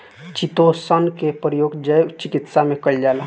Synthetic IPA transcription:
t͡ʃit̪osənkepɾjoːɡd͡ʒəjt͡ʃikit̪samẽkəld͡ʒaːla

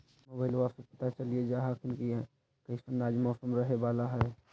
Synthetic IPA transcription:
moːbaːɪlʋaːsepɐt̪at͡ʃɐlied͡ʒaːɦakʰɪnki | kɐisənaːd͡ʒmɔːsəmɾəɦebaːlaɦɛː

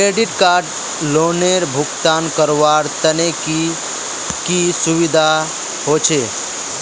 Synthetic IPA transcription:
keːɖɪʈkaːɾɖ | loːneɾbʱʊkt̪aːnkəɾʋaːɾt̪əneki | kisʊʋɪd̪ʱa | ɦoːt͡ʃʰe

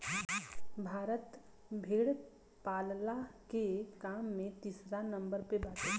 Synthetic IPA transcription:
bʱaːɾət̪ | bʱeːɽ | paːllakekaːmːẽt̪iːsɾanə̃mbəɾpebaːʈʰe

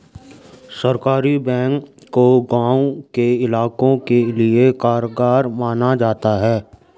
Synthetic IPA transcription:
səɾkaːɾibɛ̃ːŋkː | oɡãːũkeɪlaːkõkeliekaːɾoɡaːɾmaːnad͡ʒaːt̪aɦɛː

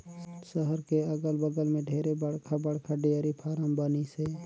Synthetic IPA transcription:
səɦəɾkeəɡəlbəɡəlmẽɖʱeːɾebəɽkʰabəɽkʰaɖeəɾipʰaːɾəmbənise

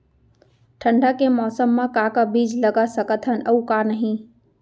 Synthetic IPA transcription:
ʈʰə̃ɳɖʱakemɔːsəmːãkakabiːd͡ʒləɡasəkət̪ʰənəukanəɦĩ

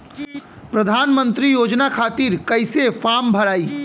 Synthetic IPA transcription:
pɾɐd̪ʱaːnmə̃nt̪ɾijoːd͡ʒnakʰaːt̪iːɾkɐɪsefaːmbʱɐɽaːiː

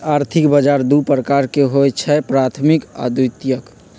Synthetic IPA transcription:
aɾt̪ʰikbəd͡ʒaɾd̪upɾəkaɾkeɦojt͡ʃʰɛpɾat̪ʰmika̰d̪ut̪jək

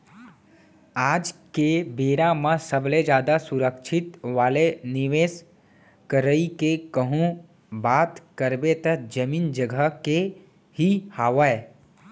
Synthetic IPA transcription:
aːd͡ʒkebeːɾamãsəbled͡ʒjaːd̪asʊɾəkʃʰɪt̪ʋaːlenɪʋeːs | kəɾəikekəɦũ | baːt̪kəɾbet̪əd͡ʒəmiːnd͡ʒəɡʱəke | hihaːʋəe

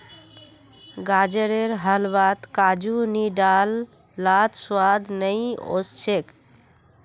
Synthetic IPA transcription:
ɡad͡ʒəɾeɾɦəlbat̪kad͡ʒuniɖalː | at̪swad̪nəjo̰st͡ʃʰek

